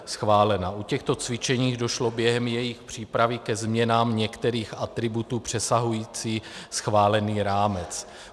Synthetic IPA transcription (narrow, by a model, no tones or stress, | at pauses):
sxvaːlɛnaʔucɛxt̪o̞t͡svɪt͡ʃɛɲiːɣdo̞ʃlo̞bjɛɦɛmjɛjɪxpr̝̥iːpɾavɪkɛzmɲɛnaːmɲɛkt̪ɛɾiːxat̪ɾɪbut̪uːpr̝̥ɛsaɦujiːt͡siːsxvaːlɛniːɾaːmɛt͡s